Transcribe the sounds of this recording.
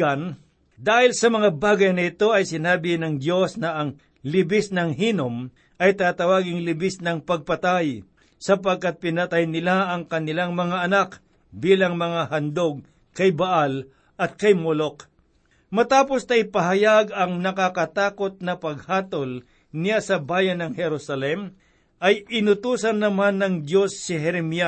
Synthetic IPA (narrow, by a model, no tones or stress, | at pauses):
an | d̪aːhɪlsɐmɐŋabaːɡɐjnɐɪt̪o̞ɐjsɪnaːbɪnɐŋd̪jo̞snɐʔɐŋ | lɪbɪsnɐŋɦiːnom | ʔɐjt̪at̪ɐwaːɡɪŋlɪbɪsnɐŋpɐɡ̚pɐt̪aj | sɐpɐɡ̚kat̪̚pɪnɐt̪ajnɪlaʔɐŋkɐnɪlaŋmɐŋaʔɐnak | biːlɐŋmɐŋahɐnd̪o̞ɡ̚ | kɐjbɐʔal | ɐt̪̚kɐjmolok | mɐt̪aːpo̞snɐɪpɐɦɐjaɡɐŋnɐkakɐt̪aːko̞t̪̚nɐpɐɡ̚haːt̪ol | nɪjasɐbaːjɐnːɐŋhɛɾusɐlɛm | ʔɐjɪnʊt̪uːsɐnːɐmanːɐŋd̪jo̞sːɪɦɛɾɛmia